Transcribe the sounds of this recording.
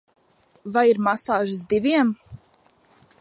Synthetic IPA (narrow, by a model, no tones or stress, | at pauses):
vajiɾmasaːʒɨsd̪ivʲiɛm